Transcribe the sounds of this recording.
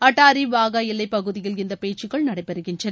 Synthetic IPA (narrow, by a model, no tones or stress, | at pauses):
ɐʈːaːɾiʋaːɣaːjɪlːɐɪpːɐɣɯðɪjɪlɪnd̪ɐpeːt͡ʃːɯɣɐɭnɐɽɐɪpːɛɾɯɣɪnrɐ